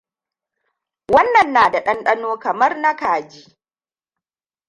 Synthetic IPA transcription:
wɐ˦nːɐ˨nːaː˨da˨ɗɐ˦nɗɐ˦noː˦kɐ˨mɐ˦rna˦kaː˨d͡ʒi˦

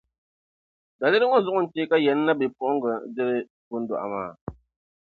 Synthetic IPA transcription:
da˨le˦ɾɨ˦ŋɔ˦zɔ˦ʔʊ˦˨n̩˨t͡ʃeː˦ka˦jɛ˨˦nː˦a˦bi˨p̚ɔ˨ʔŋ̩˦ɡə˨˦d͡ʒɛ˦ɾɨ˦ | bu˨˦n̩˦dɔ̰˨ʔa̰˨maː˦˨

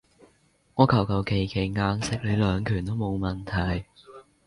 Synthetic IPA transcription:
ŋɔː˨˧kʰɐ˨˩wkʰɐ˨˩wkʰe˨˩jkʰe˨˩jŋaː˧ŋsɪ˨k̚le˨˧jlœː˨˧ŋkʰyː˨˩nt̪o˥wmo˨˧wmɐ˨˩nt̪ʰɐ˨˩j

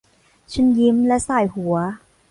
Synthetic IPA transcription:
t͡ɕʰɯ˦˥˩nji˦˥mlɛ˦˥saː˨˩jhu˨˩˦ɐ

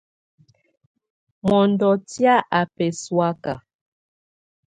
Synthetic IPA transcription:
mɔ˨ndɔ˨tja˦ʔa˨pɛ˨swa˦ka̰˨

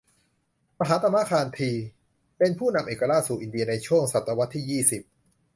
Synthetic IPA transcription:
ma˧ɦaː˩˦˥t̪a˧mːa˦˧˥kʰaː˧nt̪ʰiː˧ | pe˧npʰuː˥˩na˧mʔeː˨˩kːa˧ɾa˦˥˩t̪̚suː˨˩ʔi˨ndi˧ɐna˧jt͡ɕʰu˥˩əŋsa˨˩t̪ːa˧wa˦˥t̪ʰːiː˥˩jiː˥˩si˨˩p̚

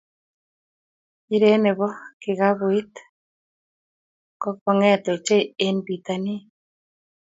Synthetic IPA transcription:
i˦ɾe˦ne˨βɔ˦ki˨ɣa˦βoi˦t̪ | kɔ˦kɔ˨ŋɛ˦t̪o˨t͡ʃe˦e˦nbi˨t̪a˨ni˦

